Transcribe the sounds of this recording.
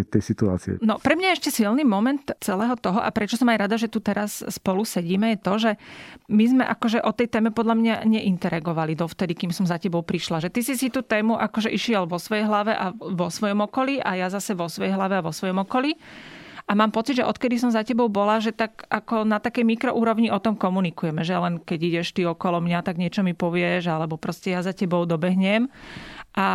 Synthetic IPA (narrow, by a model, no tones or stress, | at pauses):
t̪ɛjsit̪ua̰ːt͡siɛ̰nɔpɾɛmɲajɛɛʃcɛsilnimɔmɛnt̪t͡sɛlɛːɦɔt̪ɔɦɔʔa̰pɾɛt͡ʃɔsɔmajɾad̪aʒɛt̪ut̪ɛɾasːpɔlusɛɟiːmɛjɛt̪ɔʒɛmizmɛʔakɔʒɛʔɔt̪ɛjt̪ɛːmɛpɔd̪ʎamɲaɲɛʔint̪ɛɾaɡɔʋalid̪ɔft̪ɛd̪ikiːmsɔmzacɛbɔʊpɾiʃlaʒɛt̪isisit̪uːt̪ɛːmuʔakɔʒɛʔiʃɪɛlʋɔsʋɔjɛjɦlaʋɛʔaʋɔsʋɔjɔmɔkɔliʔajazasɛʋɔsʋɔjɛjɦlaʋɛaʋɔsʋɔjɔmɔkɔli | ʔamaːmpɔtt͡sid̪ʒɛʔɔt̪kɛd̪is̬ɔmzacɛbɔʊbɔlaʒɛt̪aɡʔakɔnat̪akɛjmikɾɔʔuːɾɔʊɲiʔɔt̪ɔmkɔmunikujɛmɛʒɛlɛnkɛɟiɟɛʃt̪iɔkɔlɔmɲat̪aɡɲɪɛt͡ʃɔmipɔʋɪɛʒalɛbɔpɾɔscɛjazacɛbɔʊd̪ɔbɛɦɲɛmʔa